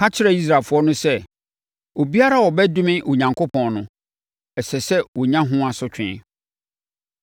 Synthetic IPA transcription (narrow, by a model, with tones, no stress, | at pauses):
ha˦t͡ɕʰɪ˦ɾɛ˨i˦s̬ɾa˨lfʊ˨ɔ˦nʊ̃˦sɛ˦ | o˨bi˦a˦ɾa˦wɔ˨bɛ˦dʊ̃˦mɪ̃˦ʔo˨ɲã˨ŋkʰo˦pʰɔ̃˨nnʊ̃˨ | ɛ˨sɛ˨sɛ˦wɔ˨ɲã˦ɦʊ̃˦a˨sʊ˦t͡ɕᶣɪ̃˦˨